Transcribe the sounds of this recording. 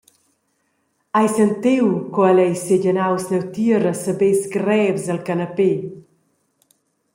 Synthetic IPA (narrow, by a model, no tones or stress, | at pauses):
ajsənt̪iwkɔalɛjseʎənawsnɛwt̪iɾəsəbesɡɾɛvzəlkanape